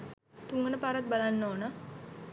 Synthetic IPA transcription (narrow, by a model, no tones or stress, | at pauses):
t̪uŋɡənəpaɾat̪̚balanːoːnə